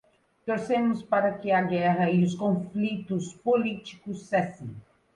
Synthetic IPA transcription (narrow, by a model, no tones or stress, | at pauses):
t̪oɾsemʊspaɾɐkɪɐɡɛʁɐiʊskõflit̪ʊspolit͡ʃi̥kʊsːɛsẽ